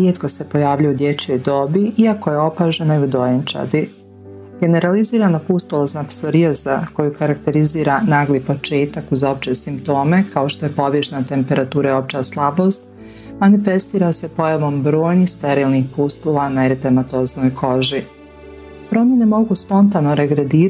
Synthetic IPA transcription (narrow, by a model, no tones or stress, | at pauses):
ɾjeːt̪ko̞se̞po̞jaːʋʎajud̪jet͡ɕojd̪oːbiiako̞je̞o̞paːʒe̞naiud̪o̞jent͡ʃa̰d̪i | ɡ̥e̞ne̞ɾaliziːɾanapust̪ulˠaznapsoɾijazako̞jukaɾak̚t̪e̞ɾiziːɾanaːɡlipo̞t͡ʃe̞ːt̪akuzo̞p̚t͡ʃesimpt̪o̞ːme̞kao̞ʃt̪o̞je̞po̞ʋjeʃnat̪e̞mpe̞ɾat̪uːɾao̞p̚t͡ʃaslˠabo̞st̪ | manife̞st̪iːɾase̞po̞jaʋo̞mbɾo̞ːjnixst̪ɛɾiːlˠnixpust̪ulˠanaeɾit̪emat̪oːzno̞jkʰo̞ʒi | pɾo̞mʲjene̞mo̞ɡuspo̞nt̪anoɾe̞ɡɾed̪iːɾ